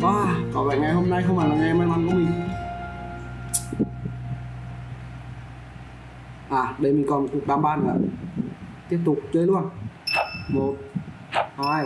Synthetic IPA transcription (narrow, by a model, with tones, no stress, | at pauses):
ʔwaː˧˩kɔ˧˩vaː˧˨˩jŋa˨˩jho˧mna˧jxə˧wŋ͡mʔa˨˩laː˨˩ŋɛ˧˩maː˧jla˨˧˦nkɔ˧˦mi˨˩ | ʔaː˨˩ɗə˧jmi˨˩kɔ˧˩m˨˩ku˨˩ək̚ɗaː˧˨mɓaː˧˨nlaː˧˩ | t̪i˦˥əp̚t̪ʊ˨˩k͡p̚t͡ɕəː˧jlu˧ən | mo˨˩t̚ | haː˧˩j